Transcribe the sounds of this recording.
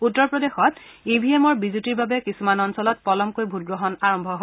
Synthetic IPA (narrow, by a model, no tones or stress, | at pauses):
utːɔɹpɹɔdexɔt | ibʱiemɔɹbizutiɹbabɛkisumanɔnsɔlɔt̚pɔlɔmkojbʱut̚ɡɹoɦɔnaɹɔmbʱɔɦo